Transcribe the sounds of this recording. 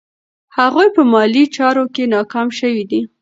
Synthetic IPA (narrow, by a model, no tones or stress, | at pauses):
haɣujpəmɑlit͡ʃɑɾokenɑkɑmʃəwid̪i